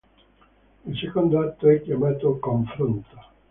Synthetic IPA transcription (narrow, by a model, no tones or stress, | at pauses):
ilsekond̪oat̪ːoɛkjamaːt̪okoɱfɾont̪ḁ